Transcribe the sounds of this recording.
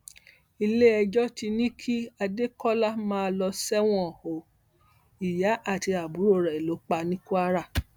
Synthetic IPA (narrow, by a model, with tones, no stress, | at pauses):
i˧le˦ɛ˧d͡ʒɔ˦ti˧nĩ˦kʰi˦a˧de˦kɔ˦la˦˨mãː˦˧lɔ˧sɛ˦w̃ɔ̃˦˨ho˨ | i˨ja˨˦ʔa˦˨ti˧a˨bu˨˦ɾo˦˨ɾɛ˨i˨lo˨˦k͡pa˧nĩ˦ku˦a˦ɾa˦˨